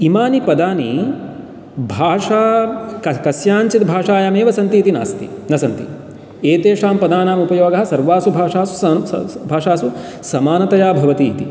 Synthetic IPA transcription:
imaːnipɐd̪aːni | bʱaːʂaːkɐkɐsjaːɲt͡ʃit̪bʱaːʂaːjaːmeːʋɐsɐnt̪iːt̪ina̰ːst̪ḭnɐsɐnt̪ḭ | eːt̪eːʂaːmpɐd̪aːnaːmupɐjoːɡɐɦɐ̆sɐɾʋaːsubʱaːʂaːsu̥bʱaːʂaːsu | sɐmaːnɐt̪ɐjaːbʱɐʋɐt̪iːt̪ḭ

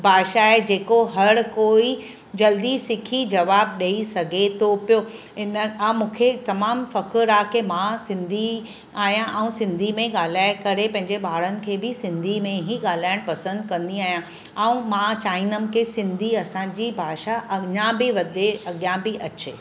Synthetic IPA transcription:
bʱaːʃaɦed͡ʑeːkoɦɐɽkoːi | d͡ʑɐld̪isɪkʰid͡ʑɐʋaːbɗɐisɐɡʱet̪ʰopijoː | ɪnəãːmũːkʰet̪ɐmaːmfɐkɾɾaːkemãsɪ̃nd̪ʱi | aːɦijãʔɛ̃ũsɪ̃nd̪ʱimẽɠaːl̤aːɪkɐɾepɐ̃ɦɪ̃ɲd͡ʑeɓaːɽ̤ənɪ̆kʰeːbɪsɪ̃nd̪ʱimẽɦiɠaːl̤aːɪɽ̃pɐsə̃nd̪̚kɐ̃nd̪iaːɦijã | ɛũmãt͡ɕaːɪnəmɪ̆kʰeːsɪ̃nd̪ʱiɐsãːd͡ʑiːbʱaːʃaʔɐɲãbɪʋɐd̪eɐɠjãbɪʔɐt͡ɕeː

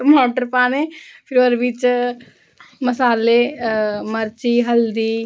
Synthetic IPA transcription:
moːʈəɾpaːnẽːpʰɪɾoːɾʋit͡ʃ | məsaːle | məɾt͡ʃiːɦəld̪iː

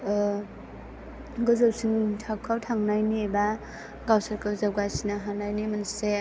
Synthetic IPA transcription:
ɡɯzawsiŋtʰakʰawtʰaŋnajniba | ɡawsaɾkʰɯzawɡasinaɦanajnimanse

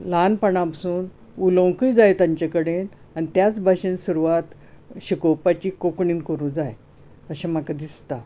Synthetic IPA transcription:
lanpəɳapsuːn | ulõŋkijd͡zajt̪ãɲt͡ɕakəɽen | anit̪jat͡sbʱaɕensuɾuʋat̪ | ɕikowpat͡ɕiːkokɳiːnkəɾũːnd͡zaj | əɕamakad̪ist̪a

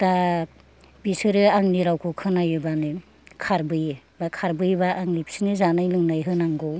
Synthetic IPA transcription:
ta | bisɯɾɯaŋniɾawkʰɯkʰɯnajɯbanɯ | kʰaɾbɯj | bakʰaɾbɯjbaʔːŋlipsinɯzanajlɯŋnajɦɯnaŋɡɯw

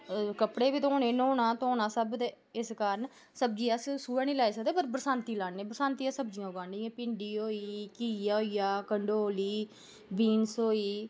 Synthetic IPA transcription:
kəpɽeːbiːt̪õːneːnoːnaːt̪õːnaːsəbt̪e | ɪskaːɾən | səb̚d͡ʒiːaːssuːaːnĩːlaːeːsəkd̪eːpəɾpɾəsaːnt̪iːlaːɳːeːpɾəsãːnt̪ijãːsəb̚d͡ʒɪjãːʊɡaːɳɖĩːãːpɪɳɖiːɦoːiːkiːjaːoːiːjaːkəɳɖoːliː | biːnsoːiː

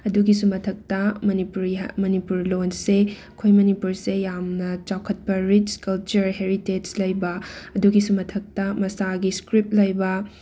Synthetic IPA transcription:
ɐduɡisumɐtʰɐk̚tɐmɐnipuɾmɐnipuɾlonseɐkʰojmɐnipuɾsejamnɐt͡ʃawkʰɐt̚pɐɾit͡ʃkɐlt͡ʃɐɾɦeɾited͡ʒlɐjbɐɐduɡisumɐtʰɐk̚tɐmɐsaɡiskɾip̚lɐjbɐ

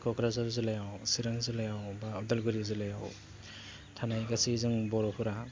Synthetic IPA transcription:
kʰɔkʰɾazaɾzɯlajawsiɾaŋzɯlajawbaɔdalɡɯɾizɯlajaw | tʰanajɡasizɯŋbɔɾɔpʰuɾa

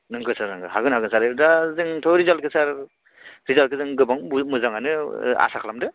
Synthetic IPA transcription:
nɯŋɡɯsaɾnɯŋɡɯɦaɡɯnhaɡɯnsaɾɯdazɯŋtʰɔɾizalkʰɯsaɾ | ɾizalkʰɯzɯŋɡɯbaŋmɯzaŋanɯa̰sakʰlamdɯ

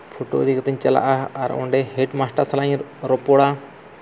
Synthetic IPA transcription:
pʰoʈo̰ʔə̰d̪ʱikat̪əɲt͡ʃala̰ʔaːɾɔ̰̃ɳɖɛɦeʈmasʈaɾsalaɲɾɔpɔɽa

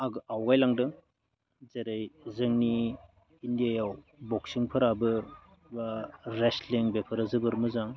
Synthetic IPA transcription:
aɡawɡajlaŋdɯŋ | zeɾajzɯŋniː | ndijajaw | bɔksiŋpʰɯɾabɯɾ | baɾesliŋbepʰɯɾazɯbɯɾmɯzaŋ

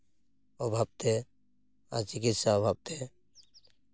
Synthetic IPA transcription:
ɔbʱab̚t̪e | a̰t͡ʃikit̪sabʱab̚t̪e

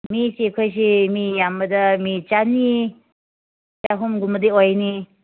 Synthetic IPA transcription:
mit͡ʃekʰojs̬imijambɐdɐmit͡ʃani | t͡ʃaɦumɡumbɐdeojni

